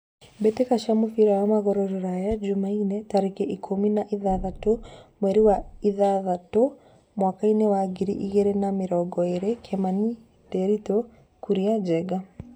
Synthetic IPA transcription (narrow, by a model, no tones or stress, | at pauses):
bɛtekaʃamofiɾajamaɣɔɾɔɾɔɾajad͡ʒomainetaɾekɛʔikʰominaʔiðaðatomwɛɾiwaiðaðato | mwakainewaɡiɾḭʔiɣeɾenamɪɾɔɡɔeɾekʰɛmani | dɛɾito | kuɾiad͡ʒɛɡa